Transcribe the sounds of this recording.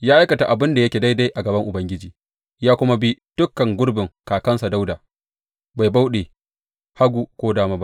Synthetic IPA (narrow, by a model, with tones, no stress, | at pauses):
jaː˦ʔa˦jkɐ˨ta˨ʔa˨bɪ˦nda˨jɐ˦kʲeː˨da˦jda˦jʔa˨ɡɐ˨bɐ˦ŋʔʊ˨bɐ˦ŋɡʲɪ˦d͡ʒiː˨ | jaː˦kʷʊ˦ma˦bi˦d̥ʊ˦kːɐ˨ŋɡʷʊ˦ɽbɪ˨ŋkaː˨kɐ˦nsa˨da˦wdaː˨ | ba˨jba˦wɗe˨ | ha˦ɡʷu˨kʷoː˦daː˦maː˦ba˦